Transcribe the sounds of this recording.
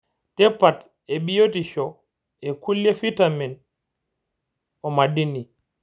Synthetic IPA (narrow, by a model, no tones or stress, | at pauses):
tɛpat | ɛɓijotiʃɔ | ɛkulːjɛfitamɛn | ɔmadini